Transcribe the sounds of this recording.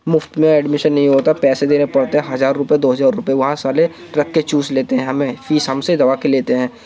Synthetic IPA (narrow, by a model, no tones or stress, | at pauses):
mʊft̪mẽɛːɖmɪʃənːɐɦĩɦoːt̪apɛːsed̪eːnẽpɐɽt̪eɦɛ̃ɦɐzaːɾːʊpjed̪oːɦɐzaːɾːʊpjeʋɐɦãsaːle | ɾɐkʰːet͡ʃuːzleːt̪eɦɛ̃ɦɐmẽfiːsɦɐmsed̪ɐʋakeleːt̪eɦɛ̃ː